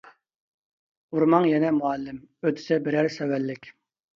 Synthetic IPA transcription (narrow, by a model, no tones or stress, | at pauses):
uɾmɑŋjɛnɛmuɑlːɪmøt̪ʰɪ̥sɪbɪɾæɾsɛwælːɪkʲ